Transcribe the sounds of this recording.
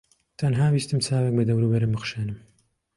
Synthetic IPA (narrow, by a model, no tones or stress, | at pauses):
t̪ʰɐnɦaːbiːst̪ɨmt͡sʰaːwek̚bɐd̪ɐwɾubɐɾɨmbɨxʃeːnɨm